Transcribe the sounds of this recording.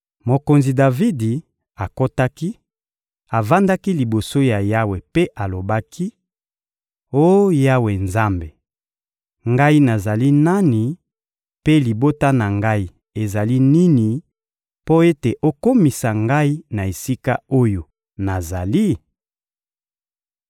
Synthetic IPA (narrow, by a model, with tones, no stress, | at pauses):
mo˨ko˨nzi˨da˨vi˦di˨ | a˨ko˦ta˦ki˦ | a˨va˦nda˦ki˦li˨bo˨so˦ja˨ja˦we˨pe˦ʔa˨lo˨ba˦kʰi˦ | o˦ja˦we˨nza˦mbe˨ | ŋɡa˦i˦na˨za˨li˦na˦ni˨ | pe˦li˨bo˦ta˦na˨ŋɡa˦i˦ | e˨za˨li˦ni˦ni˨ | po˦e˦te˨ʔo˦ko˦mi˨sa˨ŋɡa˦i˦na˨e˨si˦ka˦o˦jo˨ | na˨za˨li˦